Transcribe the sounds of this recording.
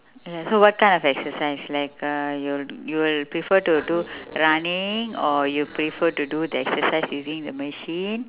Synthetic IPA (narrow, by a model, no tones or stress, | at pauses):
jasoːʋɔʈ̚kãɪ̃nɖɔfɛksəɾsaɪslaɪkjuljuːʋɪlpɾifəɾʈuʈuɾɐnɪ̃ŋɔːɾjupɾifəɾʈuɖuːd̪əɛksəɾsaɪsjuːzĩŋd̪əməʃiːn